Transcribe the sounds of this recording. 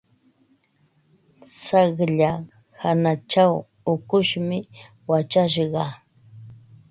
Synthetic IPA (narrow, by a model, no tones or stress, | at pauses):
sɑχʎa | hanat͡ʃaw | ʊkʊʃmɪ | wat͡ʃaʃɢɑ